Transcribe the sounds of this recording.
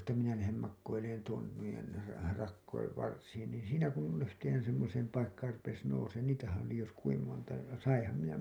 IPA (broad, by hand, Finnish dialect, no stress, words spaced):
etːæ minæ læhem mɑkːoileːn tuon nuijen rɑ rɑkːoiʋ ʋɑrsiːn niːn̞ siːnæ kun yhteːn semːoseːm pɑikːɑːr rupes nouseːn niːtæhæ̃ː oli jos kuim montɑ jɑ sɑĩːhɑm minæ